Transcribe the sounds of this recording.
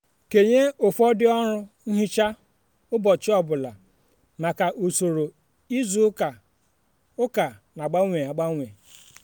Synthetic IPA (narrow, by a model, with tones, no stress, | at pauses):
ke˨ɲe˦o˨fɔ˦dɪ˦ɔ˦ɾʊ˦n̩˦ɦi˦t͡ʃa˦ | ʊ˦bɔ˨t͡ʃɪ˦ɔ˦bʊ˨la˨ | ma˨ka˨ʔu˨so˨ɾo˨ | i˦zu˨˦ka˨ | ʊ˦ka˨na˨ɡ͡ba˦ŋʷe˨a˨ɡ͡ba˦ŋʷe˨